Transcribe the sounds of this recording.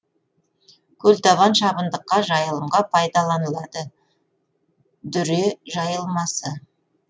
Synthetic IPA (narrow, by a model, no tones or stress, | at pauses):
kʲʰɵlt̪ɑβɑnʃɑbənd̪əqːɑʒɑjəlˠəɴʁɑpʰɑjd̪ɑlˠɑnəlˠɑd̪ə | d̪ʏɾeʒɑjəlˠmɑsə